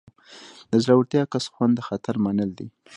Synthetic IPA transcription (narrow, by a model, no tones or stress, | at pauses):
d̪əzɾawəɾt̪jɑkasxwand̪ːəxat̪aɾmanəld̪i